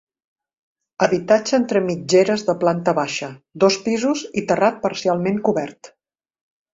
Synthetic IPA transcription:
əβit̪ad͡ʒəent̪ɾəmid͡ʒeɾəzðəplant̪əβaʃəd̪ospizuzit̪ərat̪̚pəɾsialˠmeŋkuβɛɾt̪

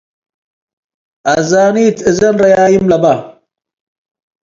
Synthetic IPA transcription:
azaːniːt̪ɨzɐnɾɐjaːjimlɐba

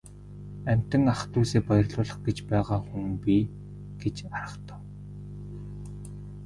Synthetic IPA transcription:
æm̥ʲt̪ɘ̆ŋaχt̪uːseːpajə̆rɮʊːɮə̆χɡet͡ɕpæːʁaːxuŋpi | ɡ̥et͡ɕaɾə̆χt̪ə̥̆ːw

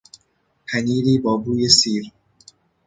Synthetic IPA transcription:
pʰæniːɾiːbɒːbuːjesiːɾ

